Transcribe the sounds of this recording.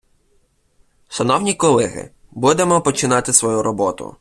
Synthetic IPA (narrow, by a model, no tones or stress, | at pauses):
ʃɐnɔwnʲikɔlˠɛɦɪ̰ | bud̪emɔpɔt͡ʃɪnɑt̪ɪsʋɔjuɾɔbɔt̪ʊ̰